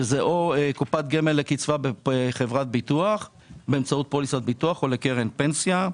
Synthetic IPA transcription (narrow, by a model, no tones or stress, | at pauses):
zeʔokupat̪̚ɡemelːekit͡svabeχevʁat̪̚bit̪uaχ | beːmt͡saut̪̚polisat̪̚bit̪uaχo̞lekeʁenpensja